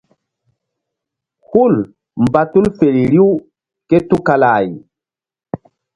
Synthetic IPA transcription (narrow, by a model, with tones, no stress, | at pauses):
hu˦˨l | mba˦tu˦lfe˨ɾi˨ɾi˦u˦ | ke˦tu˦ka˨la˨j